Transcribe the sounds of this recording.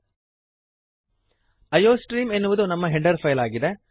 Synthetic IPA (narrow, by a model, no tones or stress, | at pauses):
ɐjoːsʈɾiːmenːuʋɐðunɐmːɐɦɛɳɖɐɾpʰɐjlaːɡid̪e